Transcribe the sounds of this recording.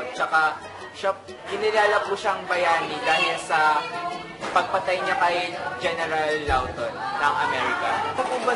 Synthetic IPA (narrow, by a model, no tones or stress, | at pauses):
t͡ʃɐka | ʃɐ | hɪnɪlaːlɐpuʃɐŋbɐjaːnɪd̪aːhɪlsɐ | pɐɡ̚pɐt̪ɐjɲakɐjd͡ʒɛnɛɾɐlːawt̪onːɐŋɐmɛːɹɪkɐ̰kɐpʊbɐ